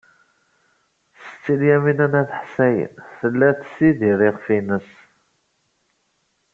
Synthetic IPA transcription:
sə̥t͡sːiljæminænæθħsæjə̰nθəlːæθsiðiɾɪʁfinəs

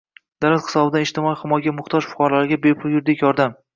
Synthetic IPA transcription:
d̪̥alat̪hɨ̥sɒbɪd̪aɪʃt̪ɪmɒjχɪmɒjɡʲamʊχt̪ʰɒʒfʊ̥qɒɾlaɾɪɡʲabepʰʊlˠjʊɾd̪ekʲjɒɾd̪am

